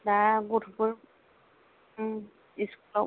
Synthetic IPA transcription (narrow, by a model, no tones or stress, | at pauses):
daɡutʰbuɹ | iskulɔ